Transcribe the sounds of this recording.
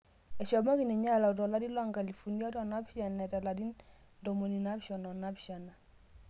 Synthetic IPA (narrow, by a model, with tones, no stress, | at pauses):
ɛ˨ʃɔ˨ma˦ki˨nɛ˨ɲa˦la˨u˨dɔ˨la˦di˦la˦ŋɡa˨li˨fu˨ni˦a˦dɔ˨na˦bʃa˨nːɛ˨da˨la˨di˦n | do˨mo˨ni˨na˦bʃɔ˨nɔ˨na˦bʃa˨na˨